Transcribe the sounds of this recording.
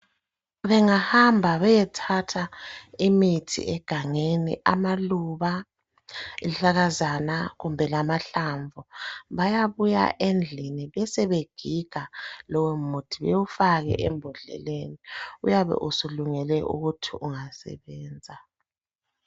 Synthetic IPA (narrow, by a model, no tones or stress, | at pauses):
βɛŋahambʱaβɛjɛtʰatʰaimitʰḭʔɛɡ̥ʱaŋenḭʔamaluβa | iɬaɣazanaɣumbʱɛlamaɬaɱvuβajaβuja̰ʔend͡ɮʱiniβɛsɛβeɡ̥ʱiɡ̥ʱalɔwɛmutʰiβɛwufaɣɛ̰ʔɛmbʱɔɮɛ̰leniujaβɛ̰ʔusuluŋɛlɛʔṵɣutʰiʔuŋasɛ̰βɛːnd͡zʱa